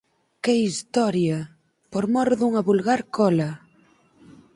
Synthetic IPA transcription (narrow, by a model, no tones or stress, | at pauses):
kɛist̪ɔɾjɐ | poɾmɔɾðuŋɐβulɣaɾkʰɔlɐ